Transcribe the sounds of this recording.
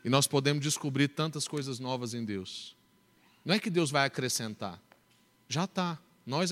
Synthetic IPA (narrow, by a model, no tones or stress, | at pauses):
ɪnɔspod̪ẽmʊzd͡ʒɪskubɾiɾt̪ɐ̃nt̪ɐskojzɐznɔvɐzẽj̃d̪ews | nɐ̃ɛkɪd̪ewzvajakɾesẽnt̪a̰ɾ | ʒat̪a | nɔz